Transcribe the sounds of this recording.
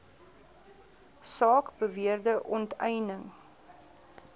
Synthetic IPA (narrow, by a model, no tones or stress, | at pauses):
sɑːkbəviərdəʔɔntɛjnəŋ